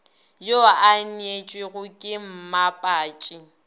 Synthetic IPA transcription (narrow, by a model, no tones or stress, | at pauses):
joanet͡ʃʼwɪɣʊkʼɪm̩mapʼaːt͡ʃʼɪ